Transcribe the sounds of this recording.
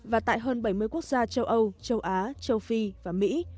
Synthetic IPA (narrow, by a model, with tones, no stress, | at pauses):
vaː˨˩t̪a̰ː˧˨jɦəː˧nɓa˧˩jmɨ˧əjku˦˥ək̚zaː˧t͡ɕə˧wʔə˧wt͡ɕə˧wʔaː˨˦t͡ɕə˧wfi˧vaː˨˩mḭ˧˥